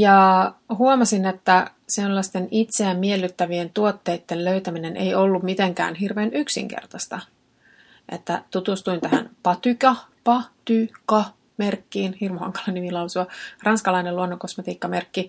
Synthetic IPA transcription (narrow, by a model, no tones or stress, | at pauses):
jɑɦhuomɑsine̞t̪ːæselːɑst̪e̞nit̪se̞æmːielːyt̪ːæʋient̪uot̪ːe̞ːt̪ːelløyt̪æmine̞nʔḛjolːummit̪eŋkæ̰ːnɦirʋeːnyksḭŋkḛrt̪ɑst̪ɑ | ʔe̞̰t̪ːæt̪ut̪ust̪uint̪æɦæ̰npɑt̪ykɑpɑt̪ykɑ | me̞rkːiːnhirmhɑ̰ŋkɑ̥lɑnimilɑwsuɑrɑnskɑlɑineluonːoko̞smet̪iːkːɑme̞rkːi